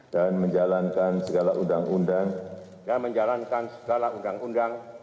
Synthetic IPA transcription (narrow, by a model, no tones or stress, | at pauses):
danməɲd͡ʒalankansəɡalaundaŋundaŋ | danməɲd͡ʒalankansə̥ɡalaundaŋundaŋ